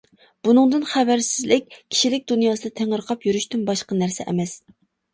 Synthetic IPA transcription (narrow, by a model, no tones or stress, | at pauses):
b̥unɨŋd̪ɨnχævæɾsɪzlɪk̚ʲkʲʰi̥ʃilɪk̚ʲd̪unjɑːsɨd̪ɑt̪ʰeŋəɾqʰɑpjyɾyʃt̪ynbɑʃqɑnæɾsɛ̰ʔɛ̰mɛs